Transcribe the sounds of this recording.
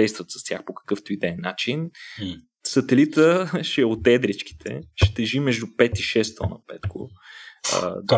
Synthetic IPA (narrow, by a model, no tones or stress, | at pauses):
ɛjst̪vət̪sɐ̥st̪ʲjaxpokɐ̥kɤft̪oid̪ɛnːat͡ʃin | sət̪ɛlit̪əʃɛot̪ɛd̪ɾɛt͡ʃk̟i̥t̪ʰɛ̰ʃt̪ɛʒimɛʒd̪upɛt̪iʃɛst̪ɔnə̰pɛt̪kʊ̰